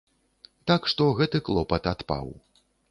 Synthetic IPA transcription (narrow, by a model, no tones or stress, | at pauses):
t̪akʂt̪ɔɣɛt̪ɨklˠɔpɐt̪at̪pa̰w